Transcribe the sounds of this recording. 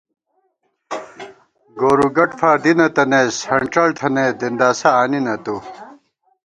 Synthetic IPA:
ɡoːɾuɡɐʈfaːɾd̪inɐt̪ɐneshɐɳʈ͡ʂɐlt̪ʰɐned̪ind̪aːsɐaːninɐt̪u

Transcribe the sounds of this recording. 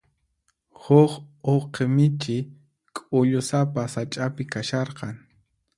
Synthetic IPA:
hʊχoqemɪt͡ʃɪ | kʼʊʎʊsapasat͡ʃʼapɪkaʃɑɾqɑŋ

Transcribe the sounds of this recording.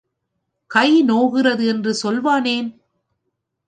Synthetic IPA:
kɐɪnoːɣɪrɐðɯɛndrɯsɔlʋaːneːn

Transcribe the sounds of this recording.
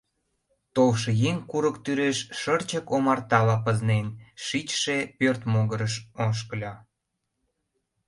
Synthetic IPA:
t̪olʃĕjeŋkuɾəkt̪yɾeʃʃərt͡ɕəkomɑrt̪ɑlɑpəznenʃit͡ɕʃepørt̪moɣəɾəʃoʃ̬kəlʲɑ

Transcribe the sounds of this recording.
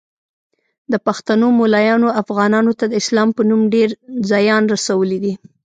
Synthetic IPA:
d̪əpaxt̪anomolajɑnoafɣɑnɑnot̪ad̪əɪslɑmpənumɖeɾzɑjɑnɾasawəlid̪i

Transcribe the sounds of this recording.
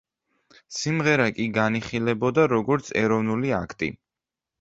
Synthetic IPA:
simʁɛɾakʼiɡaniχilɛbɔd̪aɾɔɡɔɾt̪sʰɛɾɔvnuliakʰt̪ʼḭ

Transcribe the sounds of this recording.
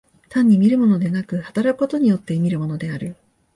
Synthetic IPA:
t̪ãɲ̟ːimʲiɾɯ̟mo̞no̞d̪e̞nakɯ̟hat̪aɾakɯ̟̥ko̞t̪o̞ɲ̟ijo̞t̪ːe̞mʲiɾɯ̟mo̞no̞d̪e̞aɾɯ̟

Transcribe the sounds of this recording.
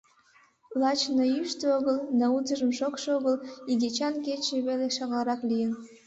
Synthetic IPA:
plˠɑt͡ɕnəyʃt̪øoɣəld̪ɑuzəʒəmʃokʃoɣəliɡet͡ɕɑnket͡ɕeβeleʃɑɣlɑɾɑklijən

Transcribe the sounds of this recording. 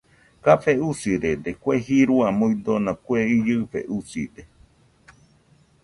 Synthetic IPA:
kafeusiɾed̪ekueɦiɾuamuĩd̪onãkweijɨfḛʔusḭd̪e

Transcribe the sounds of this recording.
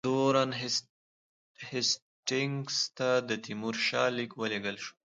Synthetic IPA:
d̪̥oɾanɦ | hɪs | ʈɪŋst̪ad̪ət̪imuɾʃɑlikwəleɡəlʃu̥

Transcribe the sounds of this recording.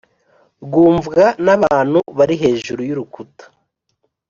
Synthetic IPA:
ɡuːɱvɡanaβaːn̥huβaɾiɦe̞ːʒuɾujuɾukutḁ

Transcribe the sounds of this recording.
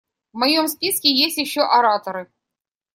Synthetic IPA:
vmɐjomspʲiskʲɪjesʲtʲjɪɕːoʔɐɾat̪əɾɨ

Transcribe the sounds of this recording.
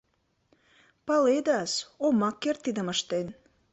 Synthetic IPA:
pɑled̪ɑsomɑkːert̪ːid̪ə̆məʃt̪en

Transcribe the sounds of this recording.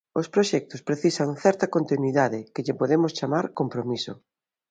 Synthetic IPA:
ospɾoʃɛk̚t̪ospɾeθisaŋθɛɾt̪ɐkont̪inwiðaðɪkɪʎɪpoðemʊst͡ʃamaɾkompɾomiso̰

